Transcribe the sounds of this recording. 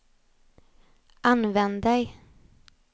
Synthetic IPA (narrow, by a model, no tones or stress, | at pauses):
ʔanvɛnd̪d̪ɛj